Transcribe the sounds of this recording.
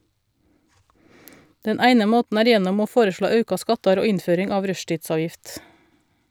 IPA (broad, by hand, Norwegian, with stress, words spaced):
ˈdɛn ˈæɪnə ˈmoːtn̩ ˈæːɾ ˈjɛnɔm ˈoː ˈfoːɾəˌʃɭoː ˈɑʉkɑ ˈskɑtɑɾ ˈoː ˈɪnˌføːɾɪŋ ˈɑːʋ ˈɾœʃtiːtˌsɑːjɪft